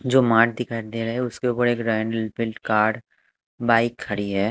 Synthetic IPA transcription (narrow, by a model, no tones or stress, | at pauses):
d͡ʒoːmaːʈ̚d̪ɪkʰaːɪɾd̪eɾɐɦeɛʊskeuʊpəɾeːkɾaːɪɳɖəlbɪlʈkaːɾɖ | baːɪkʰːɐɽiɦɛː